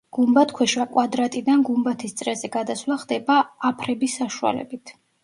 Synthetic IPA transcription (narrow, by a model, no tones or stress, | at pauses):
ɡ̥umbat̪ʰkʰwɛʃwakʼwad̪ɾat̪ʼid̪anɡumbat̪ʰist̪sʼɾɛzɛɡad̪aswlˠaχd̪ɛbaːpʰɾɛbisːaʃua̰lɛ̰bit̪ʰ